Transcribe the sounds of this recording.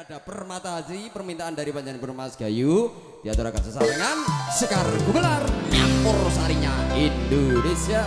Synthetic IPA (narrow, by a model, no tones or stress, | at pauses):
ad̥a̤pərmat̪aɦatipərmint̪aʔandaɾipaɲd͡ʒanibəɾmasɡ̥a̤ju | d̥iat̪uɾakansəsaɾaŋansəkarɡuɡəlarɲapʊrsaɾiɲaindonesia